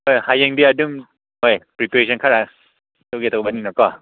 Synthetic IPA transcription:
ojhajeŋdiadum | hojpɾipesʰɔnkʰaɾa | towɡetawbaniŋnakɔ

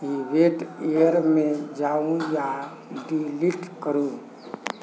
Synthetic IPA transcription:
iʋeʈejəɾmẽd͡ʒaũja | ɖiliʈkəɾũ

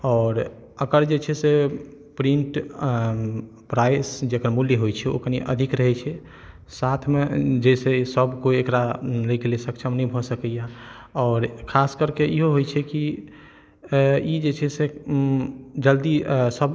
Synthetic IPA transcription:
ɔːɾ | əkəɾd͡ʒet͡ʃʰɛse | pɾiɳʈ | pɾajsd͡ʒekəɾmuljiɦojt͡ʃʰɛo̰kəniʔə̰d̪ʱikɾəɦɛt͡ʃʰɛ | sat̪ʰmed͡ʒesesəbkoiekɾaləikelesəkt͡ʃʰəmnɛĩbʱɔsəkɛja | ɔːɾkʰaskəɾkeiɦoɦojt͡ʃʰɛki | id͡ʒet͡ʃʰɛse | d͡ʒəld̪isəb

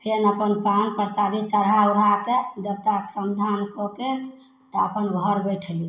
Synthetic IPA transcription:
pʰenəpənpanpɾəsad̪ʱit͡ʃəɾɦauɾaked͡ʒ̪əbt̪ake̥səmd̪ʱankɔke | t̪ɔəpənbʱəɾbɛʈʰli

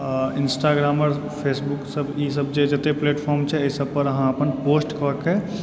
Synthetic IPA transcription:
insʈaɡɾaməɾ | pʰesbuksəbisəbd͡ʒed͡ʒet̪epleʈpʰɔɾmt͡ʃʰɛesəbpəɾəɦãəpənposʈkəəkːe

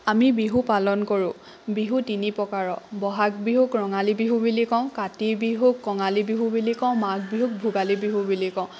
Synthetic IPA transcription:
amibiɦupalɔnkoɹʊ̃ | biɦutinipɔkaɹɔbɔɦak̚biɦukɹɔŋalibiɦubilikɔ̃ʊ̃katibiɦukːɔŋalibiɦubilikɔ̃ʊ̃mak̚biɦuk̚bʱuɡalibiɦubilikɔ̃ʊ̃

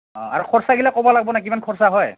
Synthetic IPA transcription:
ɔ̰a̰ɹukʰɔɹsaɡilakɔbɔlaɡ̚bɔnak̬imankʰɔɹsaɦɔj

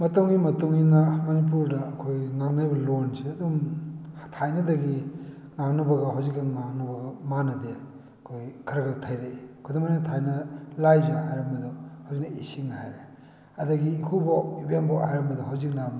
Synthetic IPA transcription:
mɐtɐŋɡimɐtuŋinamɐnip̬uɾdɐːkʰojŋaŋnajbɐlonseɐdum | tʰajnɐdɐɡi | ŋaŋnɐbɐɡɐɦawzik̚ːɐŋaŋnɐbɐɡɐmanɐde | ɐkʰojkʰɐɾɐɡatʰajɾekʰojdumajnɐtʰajnɐlajzaɦajɾɐmbɐdɔhawzik̚nɐisiŋhajɾe | ɐdɐɡikʰubaibenbɔhajɾɐmbɐdɔɦawzik̚nam

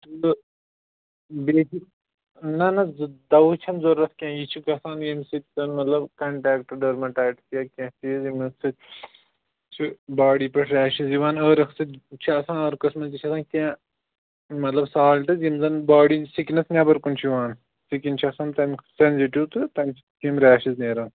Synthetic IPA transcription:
t̪ɨ | beːsik | nɐnɐd̪ɐwt͡ʃʰɐnzoɾːɐt̪kʲɛ̃ːjit͡ʃʰikɐsaːnjimsit̪̚ʲzɐnmɐt̪lɐbkɐɳʈaːk̚ʈɨɖɐɾmɐʈaːʈtjɐkʲɛ̃t̪ijzimɐsɨ | t͡ʃʰibaːɽiːpɐʈʰɾʲaːʃizjiʋaːnəːɾɐksɨt͡ʃʰiɐsãːnəːɾkɐsmɐnzit͡ʃʰɐsãːnkʲɛ̃ː | mɐt̪lɐbsaːlʈɨzjimzɐnbaːɽisiknɐsnʲɐbɐɾkunt͡ʃʰijiʋaːn | sikint͡ʃʰiɐsaːnt̪ɐmsenziʈiwt̪ɨt̪ɐnt͡ʃʰi̥t̪imɾaːʃizneːɾɐn

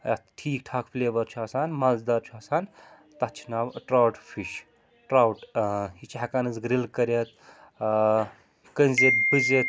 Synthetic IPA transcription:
ɐt̪ʈʰiːkʈʰaːkfleːʋɐɾt͡ʃʰuasaːnmalzd̪aɾt͡ʃʰuaːsaːn | t̪ɐt͡ʃʰinaːʋʈɾaːwʈfʰiʃ | ʈɾawʈɦit͡ʃʰakanɨzɡɾilkɐɾʲet̪ | kənʲzebɨzet̪

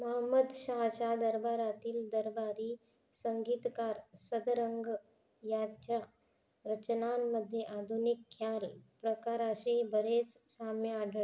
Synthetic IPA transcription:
məɦəmːəd̪ɕaɦt͡ɕad̪əɾbaɾat̪iːld̪əɾbaɾiː | səŋɡiːt̪kaɾsəd̪ɾəŋɡ | jad͡ʒa | ɾət͡ɕnamːəd̪ʱːjeʔad̪ʱunikʰːjalpɾəkaɾaɕebəɾet͡ssamjaɖ

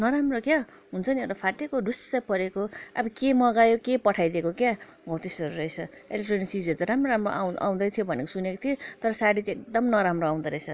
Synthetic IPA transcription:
nʌɾamrokja | ɦunt͡sʰʌniewʈapʰaʈekoɖusːapʌɾekoa̰bʌkemʌɡajokepʌʈʰajd̪ekokjabʱʌwt̪isʌɾuɾʌjt͡sʰʌelek̚ʈrʌnik̚t͡sid͡zet̪ʌɾamroɾamroʔaw̃a̰w̃d̪ʌt̪ʰijobʱʌnekosunekot̪ʰiet̪ʌɾʌsaɽit͡sekd̪ʌmnʌɾamroaw̃d̪ʌɾʌjt͡sʰʌ

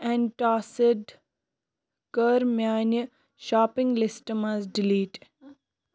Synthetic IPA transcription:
ɛ̃ɳʈaːsɪɖ | kəɾmjaːnə | ʃaːpɪ̃ŋɡlɪsʈəmazɖɪliːʈ

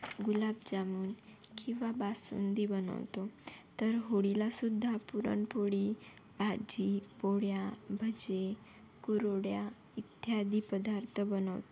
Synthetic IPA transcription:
ɡulabd͡ʑamuːn | kĩʋabasṵnd̪ibənə̰wt̪ot̪əɾɦoɽilasud̪ʱːapuɾə̰ɳpoɽi | bad͡ʑipoɽjabʱəd͡ʑe | kuɾoɽja | it̪jad̪ipəd̪aɾt̪ʰəbənə̰wt̪o̥

